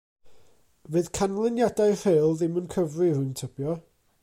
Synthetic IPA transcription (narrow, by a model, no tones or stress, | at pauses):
vɨðkʰanlˠɛnjadajr̥elˠðɪmənkʰəvrɨrʊntʰəb̥jɔ